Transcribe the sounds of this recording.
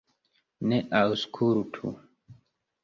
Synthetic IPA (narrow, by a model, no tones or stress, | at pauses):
nɛʔauskʰuɾutʰṵ